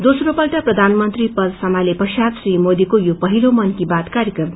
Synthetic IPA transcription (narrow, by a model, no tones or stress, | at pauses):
d̪osɾopʌlʈaprʌd̪ʱanmʌnt̪ɾipʌlsʌmalepʌsad̪srimod̪ikojopʌɦilomʌnkibat̪kaɾjʌkrʌm